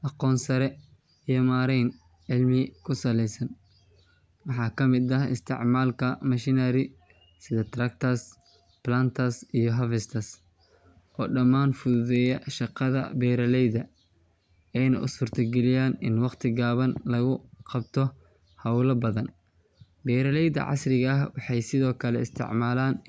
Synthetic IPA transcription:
ʔɑqɔːnsɐɾɛ | ijɞmaːɾɛjn | ʕɪlmɪkʰʊsɐlɛjsɐn | wɑħɑːkʰɐmɪd̪ɐɦɪ̰st̪ʰɪ̰ʕmaːlkʰɐmɐʃɪnaɾɪ | sɪðɐt̪ʰɾɐk̚t̪ʰɐs | plaːnt̪ʰɐsijɞɦɐfɪst̪ʰɐs | ʔɔːɖɐmːaːnfʊðʊðɛːjɐʃɑqɑðɐ̰bɛːɾɐlɛjðɐ | ɛjnɐ̰ʔʊsuːrt̪ʰɐɡɛlɪjaːnɪnwɑqt̪ʰɪɡaːβɐnlɐɣʊqɑb̚t̪ʰɔ | hɐwlɐbɐðɐn | bɛːɾɐlɛjðɐ̰ʕɑ̰srɪɣɐɐɦwɑħɑjsɪðɔːkʰɐlɛ̰ɪst̪ʰɪ̰ʕmaːlaːn

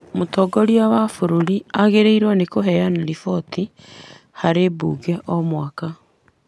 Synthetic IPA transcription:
motɔɡɔɾiawafoɾoɾiaɣeɾeiɾwɔnekoɦɛjanaɾifɔti | haɾebuːɡɛʔɔmwaka

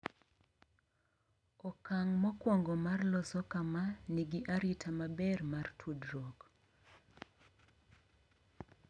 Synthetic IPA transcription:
ɔkaŋmɔkwɔŋɡɔmarlɔsɔkamanɪɡɪʔaɾitʰamabɛrmartʰudɾɔk

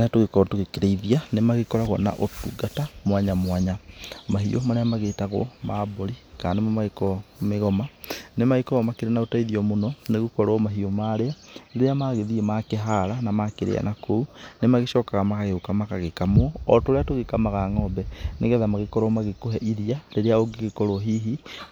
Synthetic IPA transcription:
eatoɣekɔtoɣekeɾeiðianemaɣekɔɾaɣɔna̰ʔotṵɡatamwaɲamwaɲamaɦiomaɾeamaɣetaɣɔ̰mabɔɾikaːnemɔmaekɔmeɣɔmanemaekɔɣɔmakeɾenaotaiðiɔmonɔneɣukɔɾɔmaɦiɔmaɾeaɾeɾeamaɣeðiemakeɦaɾanamakeɾḛa̰nakounemaɣeʃɔːkaɣamakaɣeokamakaɣekamwɔɔtoɾeatoɣekamaɣaːŋɔbɛneɣɛðamaɣekɔɾɔmaɣekoɦɛʔiɾiaɾeɾeaoɡeɣekɔɾɔɦiɦi

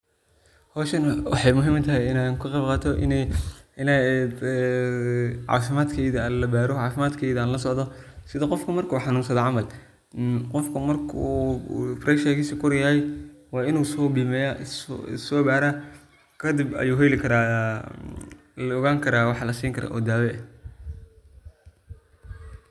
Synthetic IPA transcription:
hɔːʃɐnwɑ̰ħɑjmʊɦiːmɐnt̪ʰɐɦɛjɪnaːnkʰʊqɛjbqɑːt̪ʰɔʔɪ̰nɛɪna | ʕɑ̰ːfɪmaːd̪kʰɛjðɐlɐbaːɾɔʕɑːfɪmaːd̪kʰɛjðɐanlɐsɔʕd̪ɔsɪðɐqɔfkʰʊmɐrkʰuːħɑnuːnsɐðɔʕɑmɐl | qɔfkʰʊmɐrkʰṵːfrɛːʃaːɣiːsɪkʰʊɾɪjɐɦɛjwɑːɪnuːsɔːbiːmɛ | sɔːbaːɾa | kʰɐd̪ɪbɐ̰juːɦɛjlɪkʰɐɾaː | lɐɔɣaːŋkʰɐɾaːwɑħɑlɐsiːŋkʰɐɾʔɐ̰ʔɔ̰ːd̪aːwɛɐ

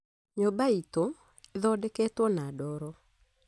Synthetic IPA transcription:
ɲobaito | eðɔdɛketwɔnadɔɾɔ

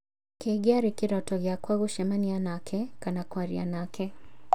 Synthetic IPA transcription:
keɡiaɾikiɾɔtɔɣjakwaɣuʃɛmanianakʰɛkanakwaɾia̰nakɛ

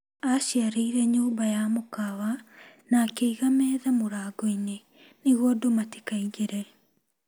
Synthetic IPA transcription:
aɕaɾeiɾɛɲoːmbajamokawanakeiɣamɛːðɛmoɾaːɡoine | neɣwɔdomate̥kaiɣeɾɛ

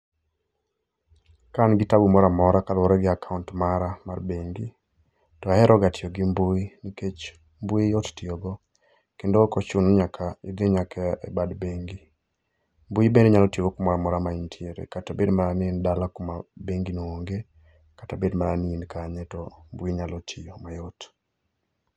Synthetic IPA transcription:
kanɡɪtabumɔɾamɔɾakalɔɾɛɡɪakʰauntmaɾamarbeŋɡi | tɔahɛɾʔɔɡatiɔɡɪmbuiniket͡ʃ | mbwejɔttioɡɔ | kendokɔt͡ʃunuɲakʰaid̪ɪɲakʰaɛbadbeŋɡi | mbuibɛnɛɲalɔtioɡɔkumɔɾamɔɾamaintʰieɾḛkatabedmananindalakumabeŋɡinoŋoŋɡe | katabedmananiːnkʰaɲɛtɔmbuiɲalɔtʰɪjɔmajɔt

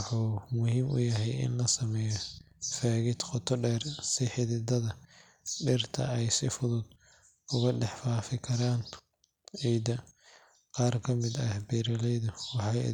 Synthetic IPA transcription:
wħuːmʊhiːmʊ̰jɐɦɛjɪ̰nlɐsɐmɛːjɔ | faːɣɪd̪qɔt̪ʰɔɖɛːrsɪħɪðɪd̪ɐðɐ | ɖɛrt̪ʰɐ̰ɛjsɪfʊðʊd̪̚ | ʊɣɐɖɛħfaːfɪkʰɐɾaːn | ʕiːd̪ɐ | qɑːrkʰɐmɪd̪ɐhbɪɾɐlɛjðʊwɑħɑj̰

